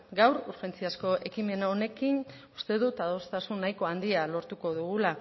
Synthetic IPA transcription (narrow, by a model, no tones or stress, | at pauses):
ɡawɾuɾxe̞nt͡siasko̞ʔe̞kime̞nao̞ne̞kin | ust̪e̞ðut̪aðo̞st̪asunːajko̞and̪ialo̞ɾt̪uko̞ðuɣula